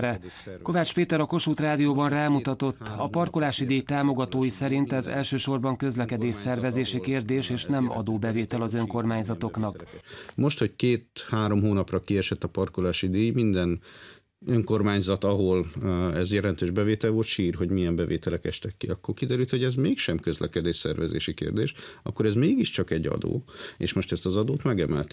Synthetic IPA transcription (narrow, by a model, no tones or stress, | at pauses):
ɾɛko̞vaːt͡ʃpeːt̪ɛɾɒko̞ʃuːt̪raːd̪ijoːbɒnraːmut̪ɒt̪o̞t̪ːɒpɒrkolaːʃid̪eːjt̪aːmo̞ɡɒt̪oːjisɛɾint̪ɛzɛ̰lʃøːʃo̞rbɒŋkø̞zlɛkɛd̪eːʃsɛrvɛzeːʃikeːrd̪eːʃeːʃnɛmɒ̰d̪oːbɛveːt̪ɛlɒzø̞ŋko̞rmaːɲzɒt̪o̞knɒkmo̞ʃt̪ho̞ckeːt̪haːɾo̞mɦoːnɒprɒkiɛʃɛt̪ːɒpɒrkolaːʃid̪eːjmind̪ɛn | øŋko̞rmaːɲzɒt̪ɒɦolɛzjɛlɛnt̪øːʒbɛveːt̪ɛlʋolt̪ʃiːrɦo̞ɟmijɛmbɛvḛːt̪ɛlɛkɛʃt̪ɛkːiɒkːorkid̪ɛɾylt̪ho̞ɟɛzmeːkʃɛmkø̞zlʔɛ̰kɛd̪eːʃsɛ̰rvɛzḛːʃikḛːrd̪eːʃɒ̰kːoɾɛzmeːɡiʃt͡ʃɒkɛɟːɒ̰d̪o̰ːḛːʃmoʃt̪ɛst̪ɒzɒd̪oːt̪mɛɡɛmɛ̰lt̪